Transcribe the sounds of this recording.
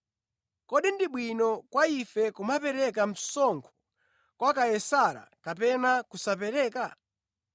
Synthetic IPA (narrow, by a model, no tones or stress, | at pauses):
kɔɗindiɓwinɔkwaifɛkumapɛɾɛkam̩sɔŋkʰɔ̥ | kwakajɛsaɾa̰kapɛnakusapɛɾɛːka